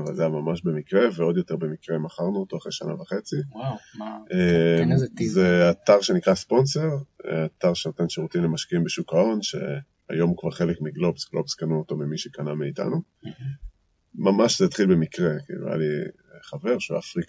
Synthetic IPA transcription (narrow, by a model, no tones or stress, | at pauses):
va̰lzejamamaʃbe̞mikʁe̞veo̞d̪jo̞t̪e̞ʁbe̞mikʁemaχaʁnuot̪o̞aχʁejʃana̰vaχet͡si | emzeat̪aʁʃe̞nikʁaspo̞nse̞ʁat̪aʁʃenot̪enʃeʁutimlemaʃkiimbeʃukao̞nʃe̞̰ | a̰jo̞mukvaʁχe̞lekmiɡlopsɡlopskanuoto̞mimiʃekanameit̪a̰nu | mamaʃzeat̪χilbe̞mikʁe̞kḭlṵja̰li | χave̞ʁʃṵa̰fʁik